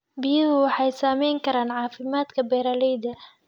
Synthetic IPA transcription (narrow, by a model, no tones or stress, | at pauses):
bijhʊwɑħɑjsaːmɛjŋkʰɐɾaːnʕɑːfɪmaːd̪kʰɐbɛːɾaːlɛjd̪ɐ